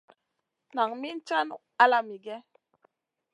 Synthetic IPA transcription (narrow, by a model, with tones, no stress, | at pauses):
na˨ŋmi˦n˦t͡ʃa˦nu˨a˦la˦mi˨ɡɛ˦